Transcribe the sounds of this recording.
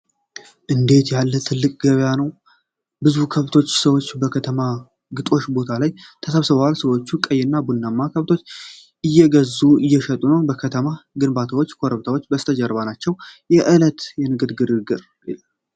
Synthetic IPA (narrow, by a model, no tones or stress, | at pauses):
ʔɨnd̪e̞t̪jalːət̪ʰɨlːɨkʼɡəβjanəw | bɨzukʰəβt̪ʰo̞t͡ʃːsəwo̞t͡ʃːbəkʰət̪ʰəma | ɡɨt̪ʼo̞ʃbo̞t̪ʰalajt̪ʰəsəβsɨβəwalsəwo̞t͡ʃːukʼəjːɪnːabunːamːakʰəβt̪ʰo̞t͡ʃː | ʔɨjːɛɡəzːuɨjːɛʃət̪ʼunəwbəkʰət̪ʰəmaɡɨnbat̪ʰəwo̞t͡ʃːkʰoɾəβt̪ʰawot͡ʃːbəst̪ʰəd͡ʒəɾβanat͡ʃːɛwjɛʔɨlət̪jɛnɨɡɨd̪ɡɨd̪ɨɡɨɾ | ḭla